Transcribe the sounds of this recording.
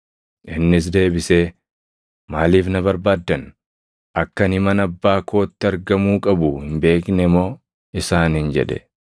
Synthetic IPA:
ʔɪnːɪs̬d̪e̞ːbɪseː | maːliːfnɐβɐɾbaːd̪ːɐn | ʔɐkːɐnɪmɐnɐbːaːkoːt̪ːɪɐɾɡɐmuːkʼɐbʊhɪmbe̞ːknɛmo̞ː | ɪsaːnhɪnd͡ʒɛ̰ᶑɛ̥

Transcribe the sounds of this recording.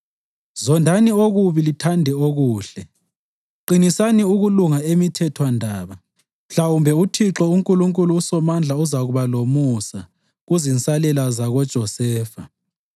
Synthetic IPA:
zɔndʱanioɣuβilitʰandʱɛoɣuːɬɛ | ǃinisaniuɣuluŋaemitʰɛtʰwandʱaːβa | m̩ɬawumbʱɛutʰiǁɔuŋkʼuluŋkʼuluːsɔmand͡ɮʱauzaɣuβalomusa | ɣuzinsʼalɛlazaɣɔd̥ʒ̥ʱɔsɛːfa

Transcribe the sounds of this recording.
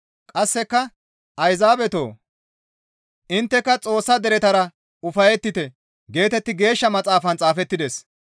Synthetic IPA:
kʼɐsːɛkːɐ | ʔɐjzaːbɛt̪o̞̰ː | ʔɪnt̪ːɛkːɐt͡sʼo̞ːsːɐd̪ɛɾɛt̪ɐɾɐ | ʊfɐjɛt̪ːɪt̪ɛ | ɡe̞ːt̪ɛt̪ːɪɡe̞ːʃːɐmɐt͡sʼaːfɐnt͡sʼaːfɛt̪ːɪd̪ɛs

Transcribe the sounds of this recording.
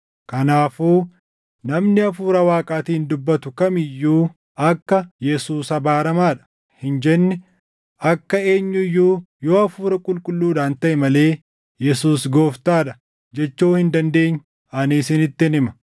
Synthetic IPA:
kɐnaːfuː | nɐmnɪɐfuːɾɐwaːkʼaːt̪iːnd̪ʊbːɐt̪ʊkɐmɪjːuː | ɐkːɐjɛsuːsɐbaːɾɐmaːᶑɐ̥ | hɪnd͡ʒɛnːɪ | ɐkːɐe̞ːɲːʊɪjːuː | joːɐfuːɾɐkʼʊlkʼʊlːuːd̪aːnt̪ɐʔɛmɐle̞ː | jɛsuːs̬ɡo̞ːft̪aːᶑɐ̥ | d͡ʒɛt͡ʃːoːhɪnd̪ɐnd̪e̞ːɲː | ʔɐniːsɪnɪt̪ːɪɪnɪmɐ

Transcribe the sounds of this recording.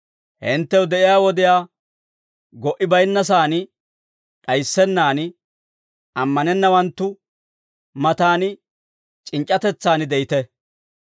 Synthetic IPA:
hɪnt̪ːɛwd̪ɛʔɪjaːwɔd̪ɪjaː | ɡɔʔɪbɐjnːɐs̬aːnɪ | ᶑɐjsːɛnːaːnɪ | ɐmːɐnɛnːɐwɐnt̪ːʊ | mɐt̪aːnɪ | t͡ʃʼɪnt͡ʃʼːɐt̪ɛt͡sːaːnɪd̪ɛjɪt̪ɛ

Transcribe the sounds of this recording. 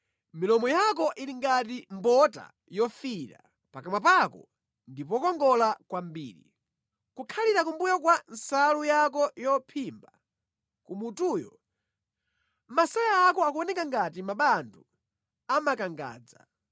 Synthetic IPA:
milɔmɔjak̬ɔʔiliŋɡatimbɔta̰ | jɔfiɾa̰ | pakamapakɔ̰ | ndip̬ɔkɔŋɡɔlakwambḭːɾi | kukʰaliɾak̬umbujakwan̩salujakɔjɔpʰimba | kumutuːjɔ̰ | masɔjaːkɔakuɔnɛkaŋɡatimaɓandu | amakaŋɡa̰ːd͡za

